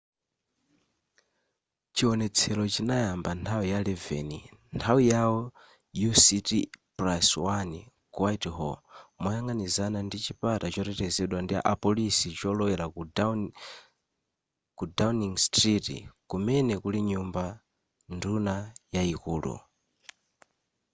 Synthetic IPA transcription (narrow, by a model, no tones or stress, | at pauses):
t͡ʃiwɔnɛt͡sʰɛɾɔt͡ʃinajambantʰawijalɛvɛ̰nḭntʰawijawɔ | jusitipɾaswani | kwajthɔ̰mwajaŋɡanizanandit͡ʃipatat͡ʃɔɾɛtɛzɛɗwandia̰ʔapɔlisit͡ʃɔlɔwɛɾa | kudaniŋstɾitḭkumɛnɛkuliɲumba | ndunajaikuːlṵ